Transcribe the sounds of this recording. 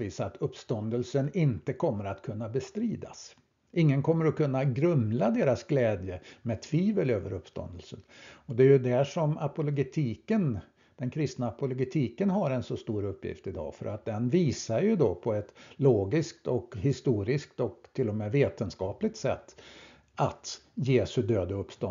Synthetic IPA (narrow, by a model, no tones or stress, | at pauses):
viːsat̪ʰɵpːst̪ɔnd̪əlsənɪnt̪əkʰɔmːəɾat̪kʰɵnːabɛst̪ɾiːd̪a̰s | ʔɪŋːənkʰɔmːəɾɔkʰɵnːaɡɾɵmlad̪eːɾasɡlɛːd̪jəmɛt̪ʰviːvəløːvəɾɵpst̪ɔ̰nd̪əlsənɔd̪ɛːjɵd̪æʂɔmapʊlɔɡɛt̪ʰiːkən | d̪̥ɛnkʰɾɪst̪naːpʊlɔɡɛt̪ʰiːkənɦaɾɛnsɔst̪uːɾɵpːjɪ̰ft̪ɪd̪ɑ̰ːfœ̰ɾʔat̪̚d̪ɛnviːsaɾjɵd̪opʰɔɛt̪loːɡɪsk̚t̪ɔkhɪst̪uːɾɪskt̪ɔkt̪ʰːɪlːɔmɛːveːt̪ənskɑːplɪɡ̚t̪sɛ̰t̪ː | at̪ | jeːsɵd̪øːd̪aɵpːst̪ɔ